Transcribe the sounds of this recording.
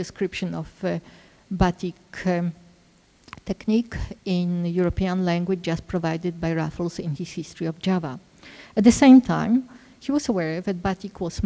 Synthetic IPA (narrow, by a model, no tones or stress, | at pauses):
dɨskɹɪpʃɨ̃nɔv | bat̪ʰik | t̪ʰɛknikɪ̃njuɹɔpiãnlæ̃ŋɡwɪd͡ʒd͡ʒaspʰɹɔvajd̪ɨd̪̚bajɹafl̩sɪ̃nhishistɹ̥iɔvd͡ʒava̰ | æt̪̚ðɨsẽɪ̃mt̪ʰã̰j̃m | hiwɔsəwɛɹðæt̪̚bat̪ikwɔs